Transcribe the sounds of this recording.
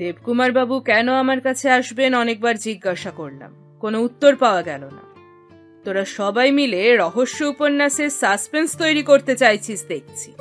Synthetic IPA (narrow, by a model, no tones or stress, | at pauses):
d̪ebkumaɾbabukɛnoamaɾkat͡ɕʰeaʃbenɔnek̚baɾd͡ʑiɡːaʃakoɾla̰m | konout̪ːoɾpaoaɡɛlona̰ | t̪oɾaʃɔbajmileɾɔɦoʃːoupoɾnːaʃesaspenst̪ojɾikoɾt̪et͡ɕajt͡ɕʰisd̪ek̚t͡ɕʰi̥